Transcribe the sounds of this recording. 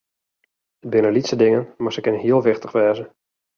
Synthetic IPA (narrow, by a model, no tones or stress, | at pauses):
əbɪnəlitsədɪŋənmarsəkɪnəɦiəlˠʋɪxtəχʋɛːzə